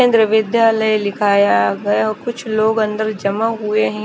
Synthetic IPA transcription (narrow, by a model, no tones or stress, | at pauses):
ẽnd̪ɾəʋɪd̪jaːləjlɪkʰaːjaɡɐjaɔkʊt͡ʃʰloːɡɐ̃nd̪əɾd͡ʒɐmaɦueɦɛ̃